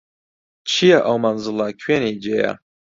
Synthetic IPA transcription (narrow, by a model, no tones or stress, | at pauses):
t͡ʃʰijaʔɐwmanzɨlakʰweːnid͡ʒeja̰